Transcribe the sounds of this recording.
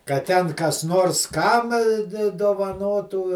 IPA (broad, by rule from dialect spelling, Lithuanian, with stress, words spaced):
kɐt ˈtʲɛn kɐs ˈnoːrs ˈkɐm dʲɪ doːʋɐˈnoːtuː